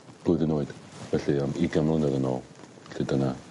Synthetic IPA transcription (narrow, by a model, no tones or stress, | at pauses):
b̥ʊɨðɪnoːɨd̥vɛɬiamiɡamlˠɔnɛðənɔlˠ | ɬedəna